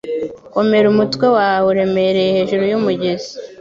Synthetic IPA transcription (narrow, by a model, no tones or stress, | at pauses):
ko̞me̞ɾumutkwe̞wawuɾe̞me̞ɾe̞jehe̞ːʒuɾujumuɟe̞zi̥